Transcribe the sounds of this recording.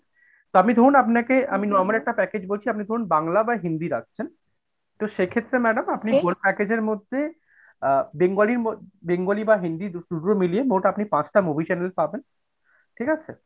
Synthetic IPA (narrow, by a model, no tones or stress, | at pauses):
t̪oamid̪ʱoɾunapnakeʔaminɔɾmolɛk̚ʈapɛked͡ʑbolt͡ɕʰiapnid̪ʱoɾunbaŋlabaɦind̪iɾakt͡ɕʰen | t̪oʃekʰet̪ːɾemɛɖamapniolpɛked͡ʑeɾmod̪ʱːe | beŋɡoliɾobeŋɡolibaɦind̪id̪uʈɾomiliemoʈapnipãt͡ɕʈamubʱit͡ɕɛnelpaben | ʈʰikat͡ɕʰḛ